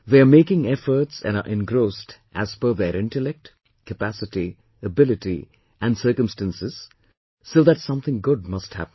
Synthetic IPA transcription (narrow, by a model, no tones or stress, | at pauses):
ðeɪəmeɪkɪ̃ŋɛfəɾtsæ̰̃nə̰ʔɛ̃nɡɾoʊstʔæz̥fə˞ðɛɾɪ̃ntəlɛk̚t | kəpæsɪti | əbɪlɪti | ʔæ̃nsɜɾkə̃mstæ̃nsɪz̥ | soðætsʌ̃mθɪ̃ŋɡʊd̚mʌsthæ̰pn̩